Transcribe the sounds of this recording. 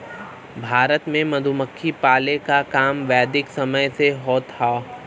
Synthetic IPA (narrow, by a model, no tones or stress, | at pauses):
bʱaːɾət̪mẽmɐd̪ʱuməkʰːipaːlekakaːmʋɛːd̪ɪksɐməjseɦoːt̪haː